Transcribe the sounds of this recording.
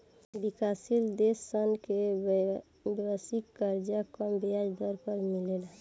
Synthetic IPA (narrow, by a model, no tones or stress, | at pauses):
bikasild̪esənke | bwasikːəɾd͡ʒakəbiad͡ʒd̪ɔɾkəɾmilel